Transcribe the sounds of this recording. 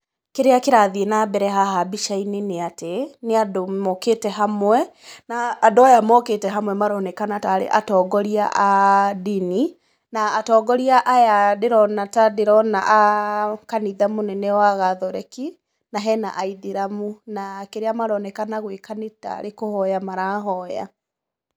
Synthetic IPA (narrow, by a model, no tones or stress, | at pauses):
keɾeakeɾaðienabɛɾɛɦaɦabiʃaineneateneadomɔketɛɦamwɛnaːdoajamɔketɛɦamwɛmaɾɔnɛkanataːɾḛʔatɔːɡɔɾia̰ʔadini | naːtɔːɡɔɾiaʔajadeɾɔnatadeɾɔnaʔakaniðamonɛnɛwaɣaðɔɾɛ̰ki | naɦɛna̰ʔaiðiɾamunakeɾeamaɾɔnɛkanaɣwekaneta̰ɾekohɔjamaɾaːɦɔja̰